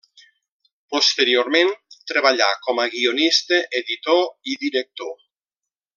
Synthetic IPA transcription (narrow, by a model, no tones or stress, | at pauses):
post̪eɾioɾmẽnt̪ɾeβ̞aʎakɔmaɣionist̪eʔeðit̪oiðiɾek̚t̪o